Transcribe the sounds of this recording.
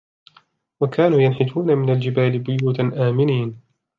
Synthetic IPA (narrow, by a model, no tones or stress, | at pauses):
wakʰaːnuːjanħɪt̪uːnamɪnald͡ʒɪbaːlɪbʊjuːt̪ʔaːmɪniːn